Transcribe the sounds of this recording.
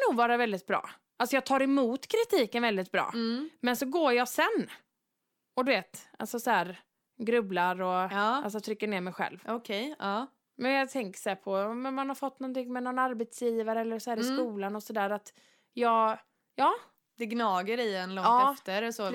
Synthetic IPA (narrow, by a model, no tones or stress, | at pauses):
nuːɡvɑːɾavɛld̪ɪt̪̚bɾɑ̰ː | ʔalsɔjɑːt̪ʰɑːɾɛmuːt̪kʰɾɪt̪ʰiːkənvɛld̪ɪt̪̚bɾɑ̰ːmɛnsɔɡoːjɑsɛnː | ɔd̪ɵveːt̪a̰lsɔsɔhæːɾ | ɡɾɵblaɾɔɑːals̬ɔt̪ʰɾʏkːəɳeːɾmɛjɧɛ̰lvɔkʰɛjɑː | mɛnjɑt̪ʰɛŋkə̥sɔæːɾpʰɔɔmɔmanhaɾfɔt̪ːnɔnt̪ɪŋːmɛnɔnaɾbɛt̪sjiːvaɾəɛlːəɾsɔhæːɾɪskuːlanɔsɔd̪æːɾat̪ | jɑːɡ | jɑː | d̪̥ɛɡnɑːɡəɾɪɛnlɔŋɑt̪ːɛft̪əɾsɔ